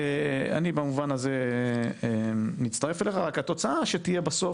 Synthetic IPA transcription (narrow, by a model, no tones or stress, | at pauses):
ea̰nibamuvanaze̞emitst̪ɐʁefeleχaʁakat̪o̞t͡saaʃet̪ije̞baso